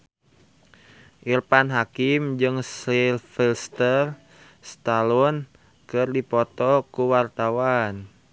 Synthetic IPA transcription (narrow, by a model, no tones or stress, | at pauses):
ʔirpanɦakɪmd͡ʒɨŋsilfilst̪ər | st̪alɔn | kɨrdipɔt̪ɔkuwart̪awan